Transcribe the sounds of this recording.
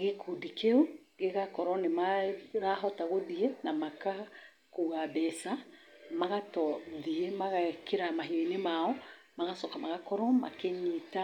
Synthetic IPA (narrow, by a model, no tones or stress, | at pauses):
ɣekʰudikeuɡeɣakɔɾɔnemaɾaɦɔtaɣoðienamaka | kuɣabɛsamaɣatɔoðiemaɣakʰeɾamaɦioinemaɔ | maɣasɔkamaɣakɔɾɔma̰keɲita